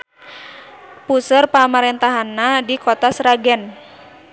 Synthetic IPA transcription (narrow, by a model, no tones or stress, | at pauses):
pusərpamaɾɛnt̪aɦanːadikot̪asɾaɡɛn